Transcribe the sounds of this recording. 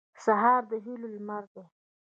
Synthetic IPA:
saɦɑɾd̪əɦilolmaɾd̪e

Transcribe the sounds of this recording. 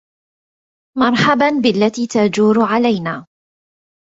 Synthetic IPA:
mɑɾˤħabanbɪʔalːat̪iːt̪ad͡ʒuːɾʕalajnaː

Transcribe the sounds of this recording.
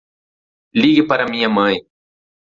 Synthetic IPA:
liɡɪpaɾamiɲamɐ̃j

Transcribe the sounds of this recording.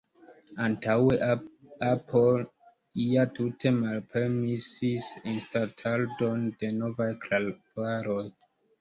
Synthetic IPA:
antaweapʰol | iatutʰe̞malpʰe̞ɾmisisinstatʰaldo̞nde̞no̞vajklalvaɾo̞j

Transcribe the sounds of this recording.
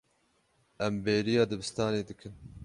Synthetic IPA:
ʔɛmbeːɾijɑːd̪ɨbɨst̪ɑːneːd̪ɨkʰɨn

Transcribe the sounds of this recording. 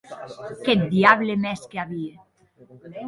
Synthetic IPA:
kɛt̪̚d̪iaβlemɛskeaβie

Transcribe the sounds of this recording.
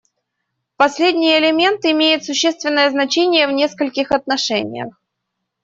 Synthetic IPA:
pɐsʲlʲedʲnʲɪjəɪlʲɪmʲe̞nt̪ɪmʲejʊt̪sʊɕːest̪vʲɪnːəjəznɐt͡ɕenʲɪjəvnʲe̞skəlʲkʲɪxɐt̪nɐʂɛnʲɪ̰jə̰x

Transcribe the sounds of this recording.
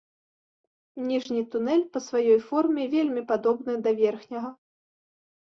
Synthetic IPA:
nʲiʐnʲit̪unɛlʲpɐsvajɔjfɔrmʲɛvʲelʲmʲipad̪ɔbnɨd̪ɐvʲɛrxnʲɐɣɐ

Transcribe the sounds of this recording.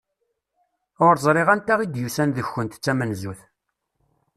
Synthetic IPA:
ʊɾzˤɾˤeʁænt̪æʁid̪jusænðəçːənt̪t͡sːæmənzuθ

